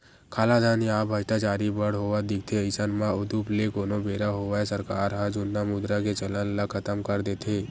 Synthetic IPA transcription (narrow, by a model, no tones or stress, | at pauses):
kʰaːlad̪ʱaːniaːpbʱɐt͡ʃʈ̪at͡ʃaːɾibəɽ̤ɦoʋad̪ɪk̚ʰt̪ʰeəɪsənmãʊd̪uplekoːnobeːɾaɦoaesəɾkaːɾɦad͡ʒʊnːamʊd̪ɾaket͡ʃələnləkʰət̪əmkəɾd̪eːt̪ʰeː